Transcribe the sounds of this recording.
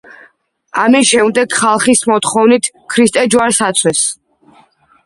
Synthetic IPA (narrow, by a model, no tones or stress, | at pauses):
amisʃɛmd̪ɛɡχalˠχismɔt̪χɔvnit̪ʰ | kʰɾist̪ʼɛd͡ʒwaɾsat̪sʰwɛs